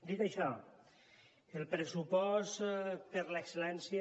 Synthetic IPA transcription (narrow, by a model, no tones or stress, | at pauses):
d̪it̪aʃɔ | elˠpɾesupɔspəɾlekselɛnsj